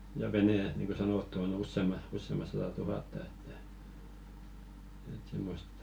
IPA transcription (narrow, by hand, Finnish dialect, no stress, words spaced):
jɑ ʋeneˑ niːŋko sɑnoˑtːu on usːeˑmɑ usːemɑ sɑtɑ tuhɑˑtːɑ etːæ et simːost